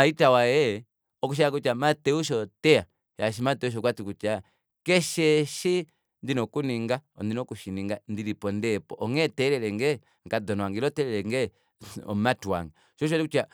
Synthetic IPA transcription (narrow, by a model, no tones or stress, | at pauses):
aitawajɛ | ɔkuʃ̬ɛak̬ut͡ʃamatɛuʃ̬ɔtɛa | jaʃ̬imatɛuʃ̬ɔkwatikut͡ʃa | kɛʃɛʃi | ndinɔkuniŋɡaɔndinɔkuʃiniŋɡandiɾipɔndɛpɔʔɔŋɛtɛlɛlɛŋɡɛ | ŋkadɔnɔaŋɡilɔtɛlɛlɛŋɡɛ | ɔ̰matwa̰ŋɡa | ʃɔʃ̬ɛlikut͡ʃa